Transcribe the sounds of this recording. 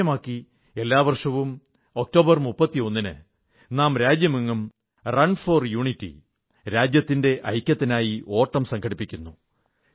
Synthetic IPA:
ɐmaːkːi | e̞lːaːʋɐrʂɐʋum | o̞k̚to̞ːbɐrmupːɐt̪ːio̞nːinɨ̰ | naːmɾaːd͡ʑjɐmiŋːum | rɐnfo̞ːrjuːɳitːḭ | ɾaːd͡ʑjɐt̪ːinde̞ʔɐjkʲːɐt̪ːinaːjiʔo̞ːʈːɐmsɐŋɡʰʱɐɽipːikʲːunːu

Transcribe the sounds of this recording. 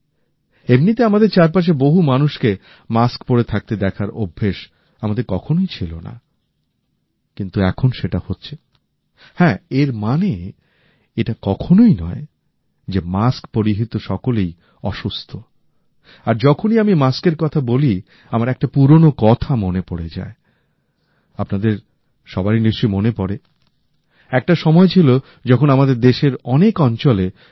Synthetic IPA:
emnit̪̬eamad̪eɾt͡ɕaɾpaʃ̬eboɦumanuʃke | maskpoɾet̪ʰak̚t̪ed̪ɛkʰaɾo̰bʱːeʃ | amad̪eɾkɔkʰonojt͡ɕʰilona̰ | kint̪uɛkʰonʃeʈahotːɕʰe | hɛ̃eɾmane | eʈakɔkʰonoinɔ̰e | d͡ʑemaskpoɾiɦit̪oʃɔkolej | ɔʃust̪ʰo | aɾd͡ʑɔkʰoniamimaskeɾkɔt̪ʰaboli | amaɾɛk̚ʈapuɾonokɔt̪ʰamonepoɽed͡ʑa̰e | apnad̪eɾ | ʃɔbaɾiniʃt͡ɕojmonepɔɽe | ɛk̚ʈaʃɔmɔet͡ɕʰilo | d͡ʑɔkʰonamad̪eɾd̪eʃeɾɔnekɔnt͡ɕole

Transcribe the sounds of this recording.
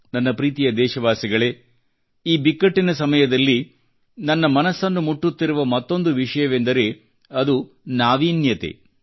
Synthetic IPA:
nɐnːɐpɾiːt̪ijɐd̪ɛːʃɐʋaːsiɡɐɭe̞ː | iːbikːɐʈːinɐsɐmɐjɐd̪ɐlːi | nɐnːɐmɐnɐsːɐnːumuʈːut̪ːiɾuʋɐmɐt̪ːo̞nd̪uʋiʂɐjɐʋe̞nd̪ɐɾe̞ | ɐd̪u | naːʋiːnjɐt̪ḛ

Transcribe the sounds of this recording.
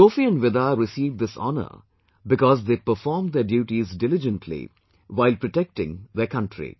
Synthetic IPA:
soːfiə̃nʋɪd̪aɾɪsiːvɖ̚d̪ɪsɔ̰nə̰ | bɪkɔzd̪eːpəfɔːɾmd̪eɖjuːʈizdɪlɪd͡ʒə̃nʈʰlḭ | ʋaɪlpɾoʈɛk̚ʈɪ̃ŋd̪əkʌ̃nʈʰɾḭ

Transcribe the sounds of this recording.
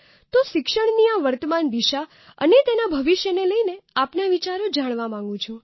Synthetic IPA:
t̪oʃɪkʃəɳ̃niaʋəɾt̪əmand̪iʃa | ə̰net̪enabʱəʋiʃjəneləineapnaʋit͡ʃaɾod͡ʒaɽ̃ʋamãŋ̆ɡũt͡ʃʰũ

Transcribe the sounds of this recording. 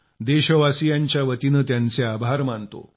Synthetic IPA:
d̪eɕəʋasijaɲt͡ɕjaʋət̪inət̪jant͡seabʱaɾmant̪o̰

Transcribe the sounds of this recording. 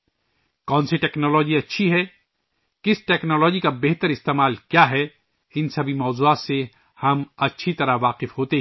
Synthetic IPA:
kɔ̃ːnseʈɛːknɔːlɔːd͡ʒiɐtːʃʰiɦɛ | kɪsʈɛːknɔːlɔːd͡ʒikabeːɦt̪əɾɪst̪eːmaːlkjaːɦɛ | ɪnsɐbʱimɔːzuːaːt̪se | hɐmɐtːʃʰit̪ɐɾaʋaːqɪfɦoːt̪e

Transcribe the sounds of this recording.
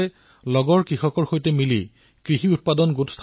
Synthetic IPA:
ɛ | lɔɡɔɹkɹixɔkɔɹxojtɛmili | kɹiɦiut̚padɔnɡutst̪ʰ

